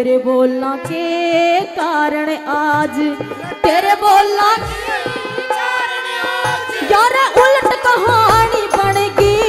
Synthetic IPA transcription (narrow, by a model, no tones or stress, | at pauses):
ɾeboːlnãːkekaːɾəɽ̃eʔad͡ʒ | t̪eːɾeboːlnãː | jaːɾeʔʊləʈkəɦaɳiːbəɽ̃eːɡiː